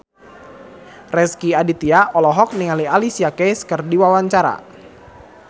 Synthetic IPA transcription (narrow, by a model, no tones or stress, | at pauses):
rɛskiadit̪iaɔlɔɦɔk̚niŋalialisiakɛjskərdiwawaɲt͡ʃaɾa̰